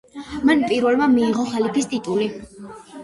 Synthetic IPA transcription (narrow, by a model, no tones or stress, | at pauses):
manpʼiɾvɛlˠmamiːʁɔχalip̪ʰist̪ʼit̪ʼuli